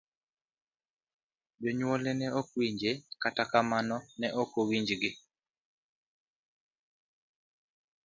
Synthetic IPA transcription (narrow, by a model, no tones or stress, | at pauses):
d͡ʒɔɲwɔlɛnɛɔkwiɲd͡ʒekatakamanɔnɛʔɔkowiɲd͡ʒɡɪ